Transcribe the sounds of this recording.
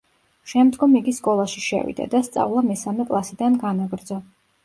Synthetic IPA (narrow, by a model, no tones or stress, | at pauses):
ʃɛmd̪ɡɔmiɡiskʼɔlˠaʃiʃɛ̰vḭd̪a̰d̪ast̪sʼa̰vlˠamɛsamɛkʼlˠasid̪anɡanaɡɾd̪zɔ